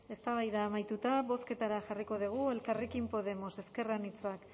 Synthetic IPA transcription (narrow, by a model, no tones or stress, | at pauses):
e̞st̪aβajðaːmajt̪ut̪aβo̞ske̞t̪aɾaʝariko̞ð̞iɣ̞ue̞lkarekimpo̞ðe̞mo̞se̞ske̞ranit͡soak